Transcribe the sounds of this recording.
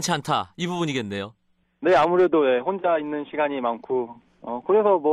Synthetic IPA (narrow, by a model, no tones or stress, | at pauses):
nt͡ɕʰiantʰaibubuɲiɡe̞nːe̞jo | ne̞amuɾe̞doje̞ɸond͡ʑainːɯnɕʰiɡaɲimankʰo | ʌkɯɾe̞sʰʌmwʌ